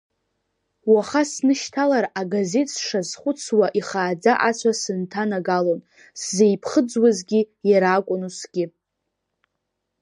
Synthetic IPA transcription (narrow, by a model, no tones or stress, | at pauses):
waχasnɨʃtʰalaɾaɡaze̞tʼsʂazχʷʊt͡sʰwaʔiχaːd͡zaʔat͡sʷʰasɨntʰanaɡalon | szejpʰχəd͡zwazɡʲijaɾaːkʷʼʊnusɡ̥ʲɪ